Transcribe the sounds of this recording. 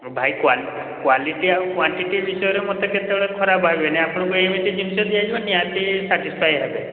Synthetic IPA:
bʱajkwal | kwaliʈiawkwaɳʈiʈibisɔjɔɾemɔt̪ɔket̪ebɭɔkʰɔɾabʱabeneapɔɽ̃ɔ̃kuemit̪id͡ʒunisɔd̪ʱiad͡ʒibanijat̪isaʈispʰajɦebe

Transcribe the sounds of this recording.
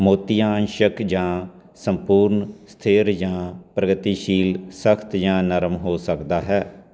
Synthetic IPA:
moːt̪ijãːnʃəkd͡ʒãː | səmpuːɾnst̪ʰɪːɾd͡ʒãːpɾəɡət̪iːʃiːlsəkʰt̪jãːnəɾəmɦoːsəkd̪aːɦɛː

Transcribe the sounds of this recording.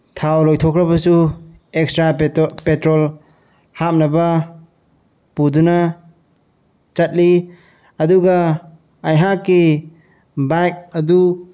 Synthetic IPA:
tʰawlɔjtʰɔkʰɾɐbɐsu | ekstɾapetɾɔl | hap̚nɐbɐ | puduna | t͡ʃat̚li | ɐduɡaː | jɦakːi | bajk̚ɐdu

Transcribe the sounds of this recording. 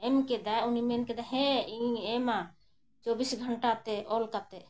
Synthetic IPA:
ɛmkɛd̪ajunimɛnkɛd̪aɦɛ̃iema | t͡ʃɔbisɡʱəɳʈat̪ɛʔɔlkat̪ɛ

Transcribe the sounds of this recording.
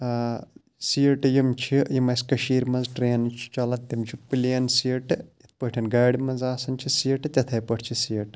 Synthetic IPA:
siəʈɨjimt͡ʃʰijimɐskɐʃiːɾmɐnzʈɾeːnt͡ʃʰi̥t͡ʃɐlɐt̪ːimt͡ʃʰipːɨleːnsiʈɨjit̪̚ʰpɐʈʰʲɐnɡaːɽmɐnzaːsɐnt͡ʃʰisiəʈɨt̪ʲɐt̪ʰɐjpɐʈʰt͡ʃʰisiəʈ

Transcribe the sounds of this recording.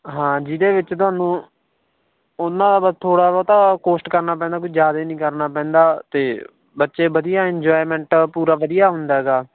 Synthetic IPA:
ɦãːd͡ʒɪd̪eːʋɪt͡ʃt̪oʊaːnũː | ʊnːãːd̪aːbaːd̪̚t̪ʰoːɽaːbɔːt̪aːkoːsʈkəɾnaːp̬ɛ̃ːnd̪aːkʊid͡ʒaːd̪aiːnĩːkəɾnaːpɛ̃ːnd̪aːt̪eː | bətːʃeːʋəd̪ɪjaːɪɲd͡ʒaːɪmɛ̃ːɳʈpuːɾaːʋəd̪ɪjaːɦʊnd̪aːɦɛːɡaː

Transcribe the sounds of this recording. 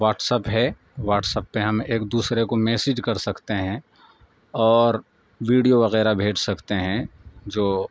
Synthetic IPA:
ʋaːʈsəpɦɛ | ʋaːʈsəpːeɦɐmeːkd̪uːsɾekomeːsɪd͡ʒkɐɾsɐkt̪eɦɛ̃ | ɔːɾ | ʋiːɖijoʋɐɣɛːɾabʱeːd͡ʒsɐkt̪eɦɛ̃d͡ʒoː

